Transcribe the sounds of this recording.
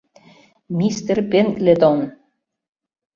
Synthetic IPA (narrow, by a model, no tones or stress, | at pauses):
mʲist̪erpenklet̪on